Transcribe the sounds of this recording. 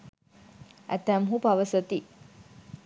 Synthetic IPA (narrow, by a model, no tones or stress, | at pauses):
æ̰t̪æmɦupaʋəsot̪i